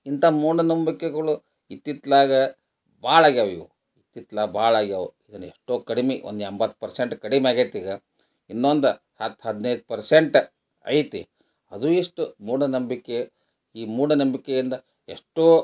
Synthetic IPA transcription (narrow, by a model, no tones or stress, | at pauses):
int̪ɐmuːɽɐnɐmbikːeɡɐɭu | it̪ːit̪laːɡɐ | baːɭaːɡaːʋiʋu | it̪ːit̪laːɡɐbaːɭaːɡaːuid̪ɐnɐeʂʈoːkɐɽimeo̰nd̪uembɐt̪ːpɐɾseɳʈkɐɽimeaːɡet̪iːɡɐ | inːond̪u | hɐt̪ːɦɐd̪nɐjd̪upɐɾseɳʈ | ɐ̰jt̪ḭ | ɐd̪uiʂʈumuːɽɐnɐmbikːe | iːmuːɽɐnɐmbikːejind̪ɐ | eʂʈoː